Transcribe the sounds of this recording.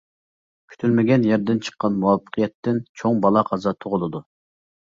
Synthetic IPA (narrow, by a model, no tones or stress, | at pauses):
kʲʰy̥t̪ʰylmɪɡʲɛnjɛɾd̪ɪnt͡ʃʰə̥qːɑnmuwɑpːə̥qʰijɛt̪ːɪnt͡ʃʰoŋbɑlˠɑqʰɑzɑt̪ʰoʁʊlˠɨd̪u